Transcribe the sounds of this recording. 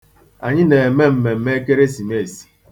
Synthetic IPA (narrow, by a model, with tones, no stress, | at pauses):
a̰˨ɲɪ˦ne˨e˨me˦m̩˨me˨m̩˦me˦ke˦ɾe˦si˨me˦˨si̥˨